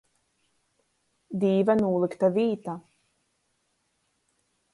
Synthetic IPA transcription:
d̪iːvanuːlˠikt̪aviːt̪a

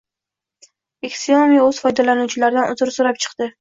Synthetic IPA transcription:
ekʲsomijɵz̥fɒjd̪alanuwt͡ʃʰɪlaɾd̪anʊzɪɾsoɾapt͡ʃʰɨ̥qd̪̥ɪ

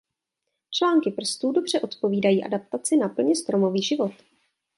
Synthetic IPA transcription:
t͡ʃlaːŋkɪpr̩st̪uːdo̞br̝̥ɛʔo̞t̪po̞viːdajiːʔa̰dap̚t̪at͡sɪnapl̩ɲɛst̪ɾomo̞viːʒɪvo̞t̪

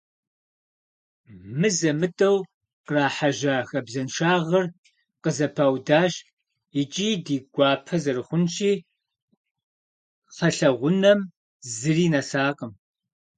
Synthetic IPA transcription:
mɨzɐmɨdʼɐw | qraːħaʒaːxɐbzɐnʃaːʁɐr | qəzɐpʰaːwdaːʃ | it͡ʃʼiːdiːɡʷɑːpʰɐzɐrɨχʷʊnʃiː | χɐɬɐʁʷʊnɐm | zɨriːnɐsaːqʼəm

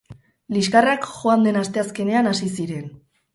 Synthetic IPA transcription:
liskarakʝoand̪e̞nast̪e̞aske̞ne̞anasisiɾe̞n

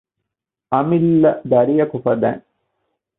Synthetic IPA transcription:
ɐmilːɐd̪ɐɾijɐkʊfɐd̪æ̰ːn

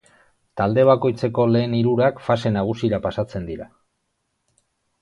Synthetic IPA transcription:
t̪ald̪e̞β̞ako̞jt͡se̞ko̞le̞ːniɾuɾakfase̞naɣ̞usiɾapasat͡se̞nd̪iɾa

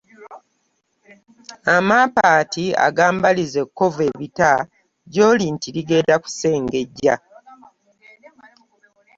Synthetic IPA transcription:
amapaːtia̰ɡaːmbalize̞kːo̞ve̞βita | ɟo̞ːlintiliɡe̞ːdaku̥se̞ːŋɡe̞ɟːa

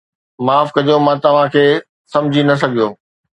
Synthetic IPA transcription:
maːfkɐd͡ʑomãt̪ɐʋ̤ãkʰeː | sɐ̃md͡ʑʱinɐs̬ɐɡʱijoː

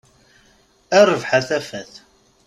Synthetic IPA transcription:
ærˤəvħaθæfæθ

